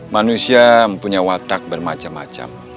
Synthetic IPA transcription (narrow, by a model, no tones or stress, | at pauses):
manusiaməmpuɲawat̪ak̚bərmat͡ʃamːa̰t͡ʃa̰m